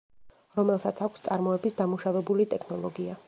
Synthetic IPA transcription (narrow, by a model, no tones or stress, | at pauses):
ɾɔmɛlˠsat̪sʰakʷʰst̪sʼaɾmɔɛbisd̪amuʃavɛbulit̪ʼɛkʰnɔlˠɔɡia